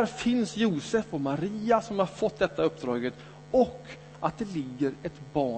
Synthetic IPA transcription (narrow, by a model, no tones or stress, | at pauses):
æɾfɪnsjuːsɛfɔmaɾiːasɔmhaɾfɔt̪ːd̪ɛt̪ːaɵpːd̪ɾɑːɡət̪ | ɔkː | at̪̚d̪ɛlɪɡːəɾɛt̪bɑː